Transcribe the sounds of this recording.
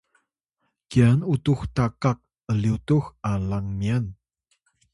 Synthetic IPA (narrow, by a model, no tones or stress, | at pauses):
kianutuxtakak̚ | əliutuxalaŋmian